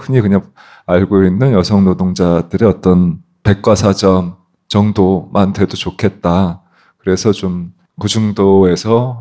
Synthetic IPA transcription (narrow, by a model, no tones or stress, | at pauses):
kʰɯɲikɯɲaŋ | aɭɡoinːɯnjʌsʰʌŋnodoŋd͡ʑadɯɾiʌt͈ʌn | pe̞k̚k͈wasʰad͡ʑʌm | t͡ɕʌŋdomantʰe̞dot͡ɕokʰe̞t̚t͈a | kɯɾe̞sʰʌt͡ɕom | kud͡ʑuŋdoe̞sʰʌ